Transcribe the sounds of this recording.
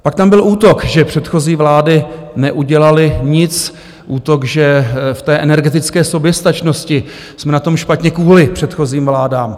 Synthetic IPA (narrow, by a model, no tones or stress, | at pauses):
pak̚t̪ambɪluːt̪o̞kʒɛpr̥ɛt̪xo̞ziːvlaːdɪnɛʔuɟɛlalɪɲɪt͡s | ʔuːt̪o̞kʒɛft̪ɛːʔɛnɛɾɡɛt̪ɪt͡skɛːsobjɛst̪at͡ʃnoscɪ | smɛnat̪o̞mʃpat̪ɲɛkvuːlɪpr̥ɛt̪xo̞ziːmvlaːdaːm